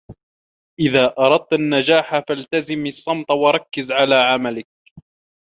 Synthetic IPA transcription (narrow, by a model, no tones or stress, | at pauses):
ʔɪðaːʔɑɾˤɑd̪̚t̪anːad͡ʒaːħafalt̪azɪmɑsˤːɑmt̪ˤwɑɾˤɑkːɪzʕalaːʕamalɪk̚